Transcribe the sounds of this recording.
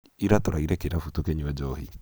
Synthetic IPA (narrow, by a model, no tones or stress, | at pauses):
iɾatɔɾaiɾɛkeɾafutɔkeɲuwɛd͡ʒɔhḭ